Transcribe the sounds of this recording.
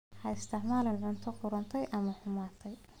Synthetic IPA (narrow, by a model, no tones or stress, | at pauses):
hɐɪst̪ʰɪʕmaːlɪnʕʊnt̪ʰɔqʊɾɐnt̪ʰɛjʔɐmɐħʊmaːt̪ʰɛj